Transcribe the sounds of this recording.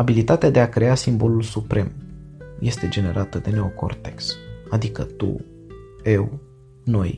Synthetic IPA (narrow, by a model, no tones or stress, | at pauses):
abilit̪at̪ead̪e̞akɾe̞asimbo̞lulsupɾe̞mje̞st̪e̞d͡ʒe̞ne̞ɾʔat̪əd̪e̞ne̞oko̞̰rt̪e̞ksad̪ikə̰t̪ṵ | e̞w | no̞j